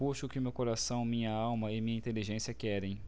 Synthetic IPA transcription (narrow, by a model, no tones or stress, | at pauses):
puʃʊʊkɪmewkoɾasɐ̃w̃mĩɲɐawmɐɪmĩɲɐĩnt̪eliʒẽsiɐkɛɾẽj̃